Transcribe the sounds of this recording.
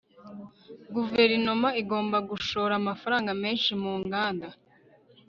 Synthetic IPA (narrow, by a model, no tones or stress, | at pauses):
ɡuve̞ɾino̞maiɡo̞ːmbaɡuʃo̞ːɾamafaɾaːŋɡame̞ːnʃimuːŋɡaːnda